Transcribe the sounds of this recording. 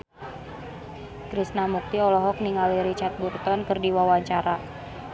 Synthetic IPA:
kɾisnamuk̚t̪iɔlɔɦɔk̚niŋaliɾit͡ʃat̪̚burt̪ɔnkɨrdiwawaɲt͡ʃaɾa

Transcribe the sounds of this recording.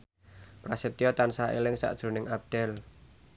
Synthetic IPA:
pɾaset̪iɔt̪ansaḛlɪŋsa̰ʔd̥ʒ̥ɾṳnɪŋʔap̚d̥ɛl

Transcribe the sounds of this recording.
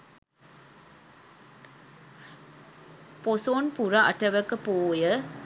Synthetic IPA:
posoːnpuɾaʔɐʈəʋəkəpoːjə

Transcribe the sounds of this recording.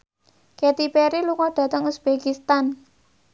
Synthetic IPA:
ket̪ipeɾiluŋɔɖ̥ä̤t̪əŋusb̥ekist̪an

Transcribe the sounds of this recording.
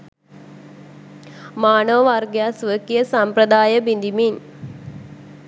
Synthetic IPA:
maːɳəʋəʋarɡjaːsʋəkijəsamprɐd̪aːjəbind̪imin

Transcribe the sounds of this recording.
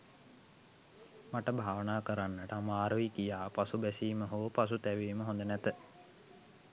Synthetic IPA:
maʈəbʱaːʋənaːkəɾanːəʈəamaːɾəʋikijaːpasubɛsiːməɦoʋəpas̬ut̪æʋiːməɦõnd̪ənæt̪ə

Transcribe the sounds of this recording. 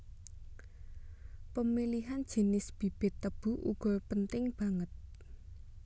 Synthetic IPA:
pəmiliɦand̥ʒ̥i̤nɪsb̥i̤b̥ɪ̤t̪ːəb̥ṳʔṵɡ̥ɔ̤pənt̪ɪŋb̥ä̤ŋət̪̚

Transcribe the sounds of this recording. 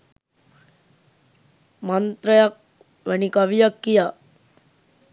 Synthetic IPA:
mant̪ɾəjak̚ | ʋɛnikaʋijakːija

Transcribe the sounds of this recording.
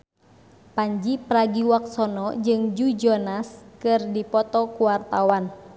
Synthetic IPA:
paɲd͡ʒipɾaɡiwak̚sɔnɔd͡ʒɨŋd͡ʒud͡ʒɔnaskɨrdipɔt̪ɔkuwart̪awan

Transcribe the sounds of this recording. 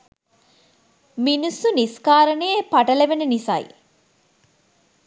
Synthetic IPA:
minusuniskaːɾɐnejepɐʈɐleʋenenisɐ̰j̰

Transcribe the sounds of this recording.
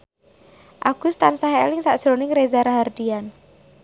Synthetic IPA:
ʔaɡ̥ʊst̪ansaɦeelɪŋsaʔʒ̥ɾonɪŋɾezaɾaɦard̪̥ian

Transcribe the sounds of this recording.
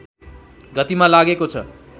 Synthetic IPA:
ɡʌt̪imalaɡekot͡sʰʌ̰

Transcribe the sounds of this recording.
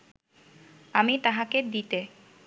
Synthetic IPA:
amit̪aɦaked̪it̪e

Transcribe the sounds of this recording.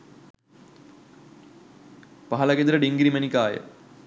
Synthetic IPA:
paɦɐlɐɡed̪əɾəɖiŋɡiɾimənikaːjə̰

